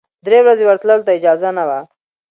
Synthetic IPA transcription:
d̪ɾewɾazewəɾt̪ləlt̪aɪd͡ʒɑzanawa

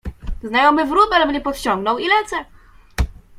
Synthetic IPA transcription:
znajɔmɘvɾubɛlbɲʲɛpɔt̪t͡ɕɔ̃ŋɡnɔwilɛt̪sɛ

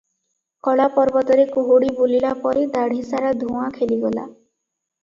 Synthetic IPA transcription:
kɔɭapɔɾbɔt̪ɔɾekoɦoɽibulilapɔɾed̪aɽ̤ʱisaɾad̪ʱũakʰeliɡɔla̰

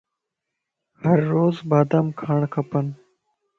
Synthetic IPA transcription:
həɾːoːzbaːd̪əmkʰaːɳkʰəpən

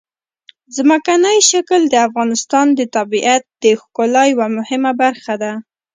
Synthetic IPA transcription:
zmakanəjʃakəld̪əafɣɑnɪst̪ɑnd̪ət̪abiʔat̪̚d̪̥əxkolajwamʊhɪmabaɾxad̪a

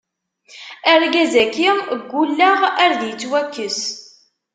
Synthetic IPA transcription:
æɾɡæzækiməɡʷːulːaʁæɾðjət͡sːwækːəs

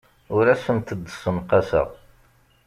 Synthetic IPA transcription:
ʊɾæsənt̪əd̪ːsənqɑsə̰ʁ

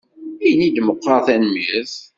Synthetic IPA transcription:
ijnid̪məqːɑɾθænmiθ

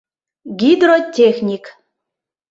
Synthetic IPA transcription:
ɡʲid̪ɾotʲːexnʲik

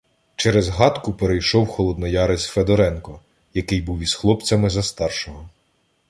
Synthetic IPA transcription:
t͡ʃɛɾɛzɦɑt̪kʊpeɾejʃɔwxɔlˠɔd̪nɔjɑɾesʲfed̪ɔɾɛnkɔ | jɐkɪjbuwizxlˠɔpt͡sʲɐmɪzɐst̪ɑrʃɔɦɔ

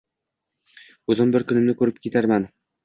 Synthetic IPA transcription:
ɵzɪmbɪɾkʊnɪmnɪkʰɵɾɪp̚kʲʰe̞t̪ʰaɾman

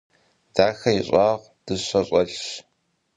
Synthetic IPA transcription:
d̥aːxɐjiɕʼɑːʁʷ | d̥ɨɕɐɕʼɐɮ

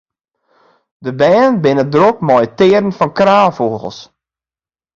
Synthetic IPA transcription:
dəbɛːnbɪnədrok̚mɔjtɪːɾən̩fɔnkraːfoːɣəl̩ˠs

